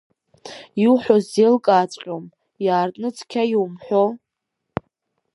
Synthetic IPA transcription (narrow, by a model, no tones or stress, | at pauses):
iwħʷozelkʼaːt͡sʼqʲʼom | jaːrtʼnɨt͡sʰʼkʲʰajiwmħʷᶣo